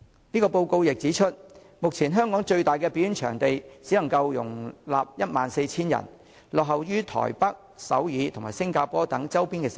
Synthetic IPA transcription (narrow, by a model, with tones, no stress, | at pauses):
niː˥kɔː˧po˧wko˧wjɪ˨k̚t͡siː˨˥t͡ʃʰɵ˥t̚ | mʊ˨k̚t͡sʰiː˨˩nɦœː˥ŋkɔː˨˥ŋt͡ʃɵ˧ɥt̪aː˨jkɛː˧pi˥y˥nt͡ʃʰœ̰ː˨˩ŋt̪e˨jt͡siː˨˥nɐ˨˩ŋkɐ˧wjʊ̰˨˩ŋla̰ː˨p̚jɐ˥t̚maː˨nse˧jt͡sʰiː˥njɐ̰˨˩n | lɔː˨k̚ɦɐ˨wjyː˥t̪ʰɔ̰ː˨˩jpɐ˥k̚sɐ̰˨˥wjiː˨˧˥t̪ʰʊ˨˩ŋmaː˨˩jsɪ˥ŋkaː˧pɔː˥t̪ɐ˨˥ŋt͡sɐ˥wpiː˥nkɛ˧˨